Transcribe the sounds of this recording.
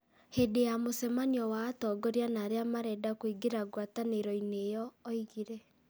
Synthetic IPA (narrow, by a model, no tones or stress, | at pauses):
hedejamosɛmaniɔwaːtɔɡɔɾianaɾeamaɾɛdakwiɡeɾaɡwataneɾɔinejɔːiɣiɾɛ